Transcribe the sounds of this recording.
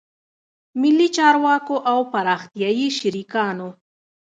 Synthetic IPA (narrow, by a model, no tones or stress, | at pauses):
mɪlːit͡ʃɑɾwɑkoʔawpaɾɑxt̪jɑjiʃaɾikɑno